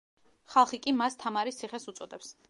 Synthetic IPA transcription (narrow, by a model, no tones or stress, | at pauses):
χalˠχikʼimast̪ʰamaɾist̪sʰiχɛsut̪sʼɔd̪ɛps